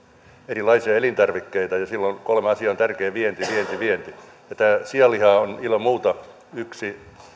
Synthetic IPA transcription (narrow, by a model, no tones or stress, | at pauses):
erilɑisiɑelint̪ɑrʋikːeit̪ɑjɑsilːonkolmeɑsiɑont̪ærkeːʋient̪iʋient̪iʋient̪i | jɑt̪æːsiɑlːihɑːonilommuːt̪ɑ | yksi